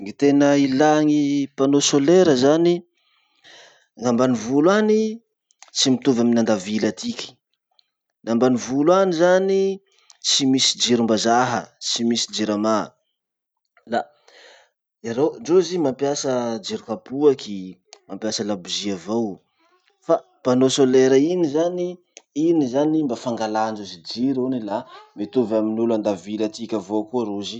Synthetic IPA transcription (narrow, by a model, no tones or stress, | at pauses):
ŋit̪enəilaŋipanosoleɾəzani | ŋambanivulwani | t͡simit̪uvaminand̪avilat̪ʰikʲi̥ | nambanivulwanizani | t͡simisid͡ʒiɾumbazaɦə̰t͡simisi̥d͡ʒiɾama | la | iaɾoɳd͡ʒozimampjasəd͡ʒiɾikapuakimampjasəlabuziavow | fa | panosoleɾəinizani | inizanimbafaŋɡalaɳd͡ʒozid͡ʒiɾonilamet̪uvaminuland̪avilat̪ikʲavokuaɾozi